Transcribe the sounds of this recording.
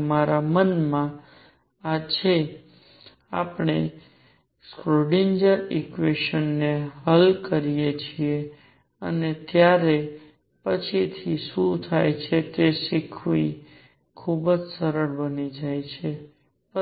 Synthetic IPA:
maɾamənmã | ad͡ʒʰe | a̰pɳ̃e | skɾoɖind͡ʒəɾikʋeʃənːeɦəlkəɾijet͡ʃʰie | ə̰net̪jaɾe | pət͡ʃʰit̪ʰisũt̪ʰajt͡ʃʰet̪eʃikʰʋi | kʰubd͡ʒsəɾəɭbənid͡ʒajt͡ʃʰe | pə

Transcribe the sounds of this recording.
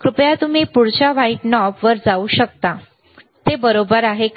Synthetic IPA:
kɾupjat̪um̤iːpuɽt͡ɕaʋaiʈnɔpʋəɾd͡zauːɕək̚t̪a | t̪ebəɾobəɾaɦe

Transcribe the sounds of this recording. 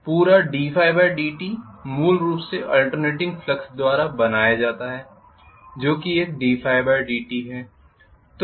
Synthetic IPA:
puːɾaɖiːfʰaːɪbaːɖiːʈimuːlɾuːpseʔɐːlʈəɾneːʈɪ̃ŋɡflɐksd̪waːɾabɐnaːjad͡ʒaːt̪aɦɛː | d͡ʒoːkieːk̚ɖiːfʰaːɪbaːɖiːʈiɦɛː | t̪

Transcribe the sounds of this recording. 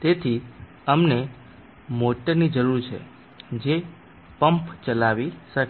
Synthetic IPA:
t̪et̪ʰi | əmne | moʈːəɾnid͡ʒəɾuɾt͡ʃʰḛ | d͡ʒe | pəmpt͡ʃəlaʋiʃək

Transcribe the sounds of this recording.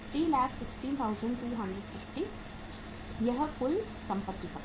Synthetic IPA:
ɾilæːkʰsɪksʈiːnt̪ʰaʊzə̃ɳɖt̪ʰɾiːɦɐ̃ɳɖəɖfɪfʈi | jɐɦkʊi | sɐ̃mpət̪ːipɐ

